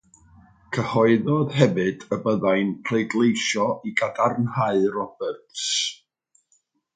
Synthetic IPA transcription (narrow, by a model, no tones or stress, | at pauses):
kʰəhɔɨðɔðhɛvɨd̥əbəðajnpʰrejdlˠejʃɔʔiɡadarnhaɨrɔb̥ɛrts